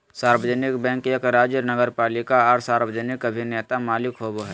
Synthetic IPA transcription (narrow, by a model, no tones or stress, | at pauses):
saːɾbəd͡ʒənɪkbɛ̃ːŋkjəkɾaːd͡ʒənɐɡəɾpaːlɪkaɔːɾsaːɾbəd͡ʒənɪkɐbʱineːt̪amaːlɪkɦoːboɦɛː